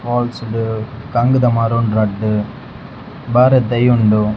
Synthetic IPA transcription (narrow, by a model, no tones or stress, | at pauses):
paːlsɽɯkɐŋɡɯd̪ɐmaːɾuːnɾɐɖːɯ | baːɾɐt̪ɐjuɳɖu